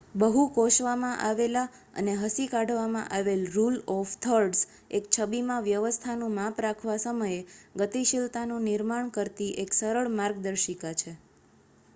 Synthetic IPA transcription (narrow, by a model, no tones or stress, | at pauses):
bəɦukoʃʋamãʔaʋela | ə̰neɦəsikaɖʋamã̰ʔaʋelɾulɔft̪ʰəɾɖs | ek̚t͡ʃʰəbimãʋjəʋəst̪ʰanũmapɾakʰʋasəməjeɡət̪iʃilt̪anũnɪɾmaɳkəɾt̪iʔeksəɾəɭmaɾɡd̪əɾʃikat͡ʃʰe